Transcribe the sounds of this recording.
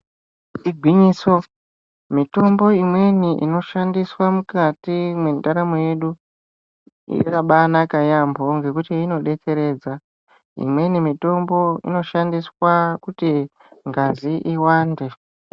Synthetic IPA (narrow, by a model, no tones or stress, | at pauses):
iɡʱwiɲiːso | mito̞mbo̞imwe̞niʔḭno̞ʃandiswamukatimwe̞ndaɾamoje̞ɗu | ḭkaɓanakajambʱo̞ŋɡe̞kutiino̞ɗe̞t͡se̞ɾe̞ːd͡za | ḭmwe̞nimito̞mbo̞ḭno̞ʃandiswakuti | ŋɡaziʔiwaːnde̞